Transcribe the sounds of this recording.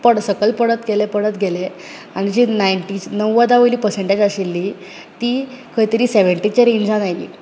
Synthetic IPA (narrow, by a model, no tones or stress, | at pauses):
pəɽsəkəlpəɽət̪ɡelepəɽət̪ɡʱele | aɽ̃id͡ʑinajɳʈit͡ɕnəʋːəd̪aʋəliːpəɾsẽɳʈed͡ʑaɕilːiː | t̪iːkʰəjt̪əɾiːseʋəɳʈit͡ɕaɾeɲd͡ʑãnajlḭ